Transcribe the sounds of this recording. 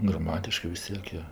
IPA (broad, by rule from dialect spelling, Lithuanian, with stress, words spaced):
ɡrɐˈmɑːtʲɪʃkɜ ʋʲɪs ˈtʲiɛk joː